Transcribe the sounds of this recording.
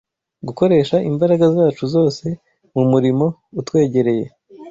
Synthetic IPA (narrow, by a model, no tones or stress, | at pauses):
ɡuko̞ɾe̞ːʃaʔimbaɾaɡazaːt͡ʃuzo̞ːse̞ | mumuɾimo̞ | utwe̞ːɟe̞ɾe̞je̞